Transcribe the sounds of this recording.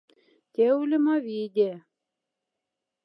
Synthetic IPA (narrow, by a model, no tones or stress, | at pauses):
t̪ʲewlʲɘ̆mɑvid̪ʲe